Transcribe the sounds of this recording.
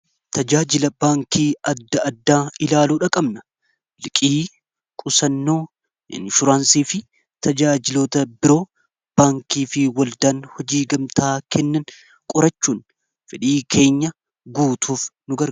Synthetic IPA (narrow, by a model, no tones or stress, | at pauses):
t̪ɐd͡ʒaːd͡ʒɪlɐbaːŋkiːɐd̪ːɐʔɐd̪ːaːɪlaːluːᶑɐkʼɐbnɐ | lɪkʼiː | kʼʊsɐnːo̞ː | ɪ̰nʃʊɾaːnsiːfɪ | t̪ʰɐd͡ʒaːd͡ʒɪloːt̪ɐbɪɾo̞ː | b̥aːŋkiːfɪwɐld̪aːnhɔd͡ʒiːɡɐmt̪ʰaːkʰɛnːɐn | kʼʊɾɐt͡ʃːuːn | fɪᶑiːkʰe̞ːɲːɐ | ɡuːt̪ʰuːfnʊɡɐɾ